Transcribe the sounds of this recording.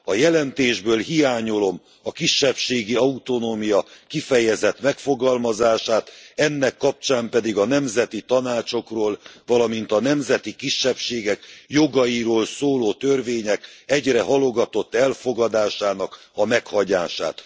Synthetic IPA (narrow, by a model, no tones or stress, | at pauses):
ɒjɛlɛnt̪eːʒbøːlɦijaːɲo̞lo̞m | ɒkiʃːɛpʃeːɡiɒut̪o̞noːmijɒkifɛjɛzɛt̪mɛkfo̞ɡɒlmɒzaːʃaːt̪ɛnːɛkːɒp̚t͡ʃaːmpɛd̪iɡɒnɛmzɛt̪it̪ɒnaːt͡ʃo̞kroːlvɒlɒmint̪ɒnɛmzɛt̪ikiʃːɛpʃeːɡɛkjo̞ɡɒjiɾoːlsoːloːt̪ørveːɲɛkɛɟrɛɦɒlo̞ɡɒt̪o̞t̪ːɛlfo̞ɡɒd̪aːʃaːnɒk | ɒmɛkhɒɟaːʃa̰ːt̪